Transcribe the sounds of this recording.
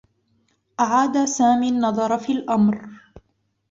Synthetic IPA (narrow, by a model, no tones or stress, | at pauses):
ʔaʕaːd̪asaːmiːnːɑðˤɑɾˤfiːlʔamɾ